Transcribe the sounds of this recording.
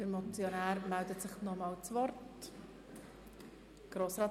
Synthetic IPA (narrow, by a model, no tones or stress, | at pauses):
d̥əɾmɔt͡sjɔnæːɾmældətsɪχnɔmɑːlt͡svɔɾt | ɡ̥ɾoːsɾɑː